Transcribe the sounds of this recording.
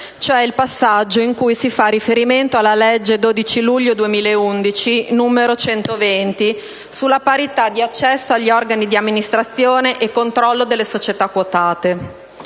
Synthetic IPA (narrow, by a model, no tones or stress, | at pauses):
t͡ʃoɛilpasːad͡ʒːoiŋkujsifarifeɾiment̪oalːaled͡ʒːed̪oːd̪it͡ʃiluʎːod̪uemiːlaeund̪it͡ʃinuːmeɾot͡ʃɛnt̪ovent̪i | sulːapaɾit̪ad̪ːiat͡ʃːɛsːoaʎːiɔrɡanid̪iamːinist̪ɾat̪sːjoːneʔekːont̪ɾɔlːod̪elːesot͡ʃet̪akːwot̪aːt̪e